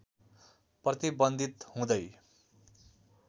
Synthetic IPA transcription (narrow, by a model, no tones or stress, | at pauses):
prʌt̪ibʌnd̪ʱit̪hũd̪ʌj